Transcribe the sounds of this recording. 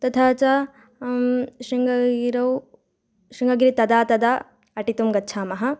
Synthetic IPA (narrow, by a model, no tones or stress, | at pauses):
t̪ɐt̪ʰaːt͡ʃa | ʃiŋɡɐɡiɾɐw | ʃiŋɡɐɡiɾit̪ɐd̪aːt̪ɐd̪aː | ɐʈit̪umɡɐtːt͡ʃʰaːmɐɦɐ̆